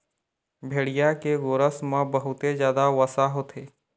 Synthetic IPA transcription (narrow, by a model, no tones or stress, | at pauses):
bʱeːɽijakeɡoːɾəsmãbəɦʊt̪ezjaːd̪aʋəsaɦot̪ʰeː